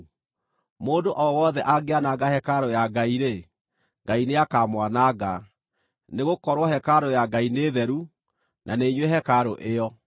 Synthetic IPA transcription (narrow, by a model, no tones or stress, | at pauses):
moːndoʔɔwɔðɛʔaɡeanaɡahɛkaɾojaɡaiɾe | ŋɡaineakamwanaɡa | neɣokɔɾwɔhɛkaɾojaɡaineðɛɾu | nʔaneɲwɛɦɛkaɾoʔeɔ